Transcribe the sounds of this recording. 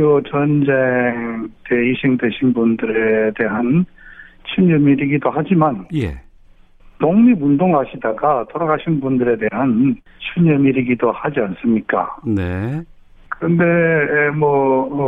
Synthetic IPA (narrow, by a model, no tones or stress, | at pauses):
ot͡ɕʌnd͡ʑeŋteiɕʰiŋdeɕʰinbundɯɾe̞de̞ɦan | t͡ɕʰuɲʌmiɾiɡidohad͡ʑimanjḛ | toŋmimundoŋɦaɕʰidaɡatoɾaɡaɕʰinbundɯɾe̞de̞ɦan | t͡ɕʰuɲʌmiɾiɡidohad͡ʑians͈ɯmɲik͈a̰ne | kɯɾɯnde̞mwʌ